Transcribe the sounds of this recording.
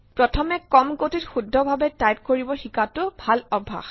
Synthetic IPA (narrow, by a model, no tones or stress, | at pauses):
pɹɔtʰɔmɛkɔmkotitxudʱːɔbʱabɛtajp̚koɹibɔxikatʊbʱalɔbʱa̰x